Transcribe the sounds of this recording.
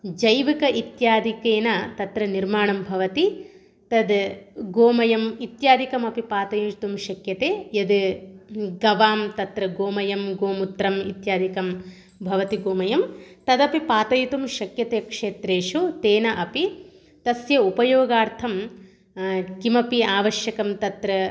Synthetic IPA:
d͡ʒɐjʋikɐʔit̪jaːd̪ʱikeːnɐt̪ɐt̪ɾɐniɾmaːɳɐmbʱɐʋɐt̪i | t̪ɐd̪ɡoːmɐjɐmit̪jaːd̪ikɐmɐpipaːt̪ɐjɐt̪umʃɐkjɐt̪eːjɐd̪ | ɡɐʋaːmt̪ɐt̪ɾɐɡoːmɐjɐmɡoːmut̪ːɾɐmḭt̪jaːd̪ikɐm | bʱɐʋɐt̪iɡoːmɐjɐmt̪ɐd̪ɐpipaːt̪ɐjut̪umʃɐkjɐt̪eːkʂeːt̪ɾeːʂut̪eːnɐʔɐpi | t̪ɐsjɐupɐjoːɡaːɾt̪ʰɐm | kimɐpiaːʋɐʃjɐkɐmt̪ɐt̪ɾɐ

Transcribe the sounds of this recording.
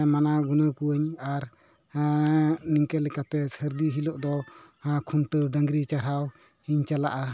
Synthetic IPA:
manaɡunəkuəɲaɾ | niŋkɛlɛkat̪ɛsəɾd̪iɦilɔʔd̪ɔãkʰunʈəɖəŋɡɾit͡ʃaɾɦaw | hiɲt͡ʃala̰ʔa

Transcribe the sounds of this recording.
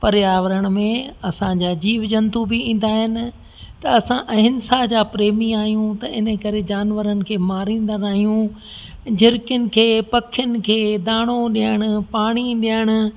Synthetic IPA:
pɐɾɪjaːʋɾəɽ̃ʊ̆mẽɐsãd͡ʑaːd͡ʑiːʋd͡ʑɐ̃nt̪ubiĩːn̆d̪aːɦɪnɪ̆ | t̪ɐɐsãʔɐ̃ɦɪnsaːd͡ʑaːpɾeːmiaːɦijũt̪ɐɪnəkɐɾed͡ʑaːnʋəɾənɪ̆kʰeːmaːɾĩːn̆d̪ənaːɦijũ | d͡ʑʱɪɾkjənɪ̆kʰeːpɐkʰɪjənɪ̆kʰeːd̪aːɽ̃oɗijəɽ̃ʊ̆paːɽ̃iɗiəɽ̃ʊ̆

